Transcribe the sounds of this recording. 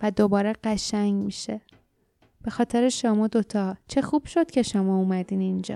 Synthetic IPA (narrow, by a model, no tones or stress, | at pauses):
væd̪o̞bɒːɾeɢæʃæɲmiːʃe̞ | b̥e̞xɒːt̪ʰeɾeʃomɒːd̪o̞t̪ʰɒːt͡ʃʰe̞xub̥ʃo̞d̪̥cʰe̞ʃomɒːumæd̪iːnind͡ʒɒ̰ː